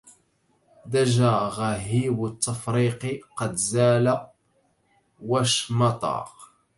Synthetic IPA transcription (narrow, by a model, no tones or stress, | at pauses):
d̪æʒaɣæɦiwət̪ˤːɑfɾiqiqɑd̪zæːla | wæʃmɑt̪ˤɑ̰q